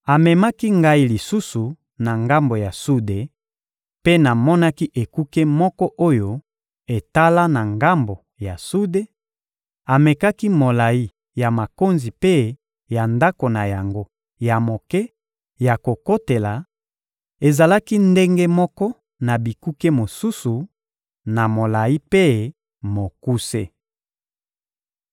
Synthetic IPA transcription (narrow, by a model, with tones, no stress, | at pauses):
a˨mɛ˨ma˦ki˦ŋɡa˦i˦li˨su˦su˨ | na˨ŋɡa˦mbo˨ja˨su˦de˨ | pe˦na˨mɔ˦na˦ki˦ʔe˨ku˦ke˦mɔ˦kɔ˦ʔo˦jo˦ | e˨ta˦la˦na˨ŋɡa˦mbo˨ | ja˨su˦de˦ | a˨me˨ka˦ki˦mo˨la˨ji˦ | ja˨ma˨ko˦nzi˨pe˦ | ja˨nda˦ko˨na˨ja˨ŋɡo˦ | ja˨mo˨kɛ˦ | ja˨ko˨ko˦te˨la˨ | e˨za˨la˦ki˦nde˦ŋɡe˦mɔ˦kɔ˦ | na˨bi˨ku˦ke˦mo˨su˦su˨ | na˨mo˨la˨i˦pe˦ | mo˨ku˦sḛ˦